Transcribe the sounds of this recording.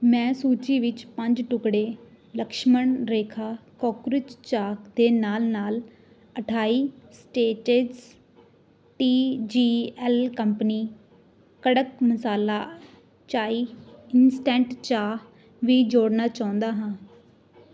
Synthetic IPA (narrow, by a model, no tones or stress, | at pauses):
mɛ̃ːsuːt͡ʃiːʋɪt͡ʃpəɲd͡ʒʈʊkɽeː | ləkʃməɳɾeːkʰaːkɔːkɾɪt͡ʃt͡ʃaːkd̪eːnaːlnaːl | əʈʰaːiːsʈeːʈezs | ʈiːd͡ʒiːɛːlkəmpniː | kəɽəkməsaːlaː | t͡ʃaːiːɪnsʈɛ̃ːɳʈt͡ʃaː | ʋiːd͡ʒoːɽnaːt͡ʃaːʊ̃nd̪aːɦãː